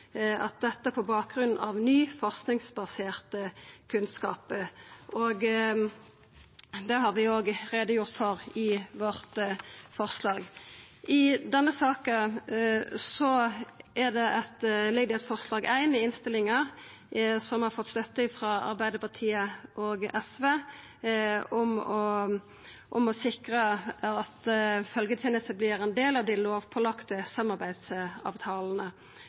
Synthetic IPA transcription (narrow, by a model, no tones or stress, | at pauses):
ɑ̰t̪̚d̪ɛt̪ːəæpʰɔbɑːk̚ɡʁʉnn̩ɑ̰ʋnyːfɔʁsknɪŋsbɑseːʁt̪əkʰʉnskɑːpəʔoɡ | d̪ɛɦɑɾʋɪoːɡʁeːd̪əjʊʁt̪fɔʁɪʋɔʁt̪fɔʁslɑːɡʔɪd̪ɛnːəsɑːkə | sɔʔæʁd̪ɛʔɛt̪lɪɡd̪ɪɛt̪fɔʁslɑːɡæɪnɪɪnst̪ɪlɪŋəɾ | sɔmhɑɾfɔt̪ːst̪œt̪ːəɪfʁɑɑ̰ɾbæɪd̪əpɑʁt̪ʰiːəʔɔɡɛsʋeː | ɔmɔ | ʔɔmɔsɪkʁəɑt̪fœlɡət̪ʰjɛːnəst̪əblɪɾɛnd̪eːlɑʋd̪ɪloːʋpʰɔlɑkt̪əsɑmːɑɾbæɪd̪sɑ̰ːʋt̪ʰɑːln̩ə